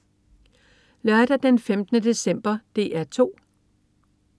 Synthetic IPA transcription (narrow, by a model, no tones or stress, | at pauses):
lɶɐd̥ɐd̥enfemd̥ənəd̥e̝sem̰b̥ɐd̥e̝̰ːæɐt͡sʰo̝̰ː